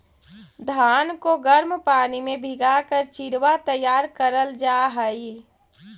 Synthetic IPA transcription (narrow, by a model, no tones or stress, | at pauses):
d̪ʱaːnkoɡəɾmpaːnimẽbʱɪɡakəɾt͡ʃɪɾʋat̪əjːaːɾkəɾəld͡ʒaːɦəi